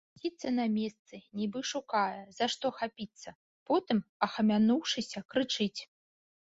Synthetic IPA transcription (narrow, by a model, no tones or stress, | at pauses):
zʲit̪sɐnɐmʲɛst̪sɨnʲibɨʂukajɛz̥aʂt̪ɔxapʲit̪sːɐ | pɔt̪ɨmɐxɐmʲanuwʂɨsʲɐkɾɨt͡ʂɨt͡sʲ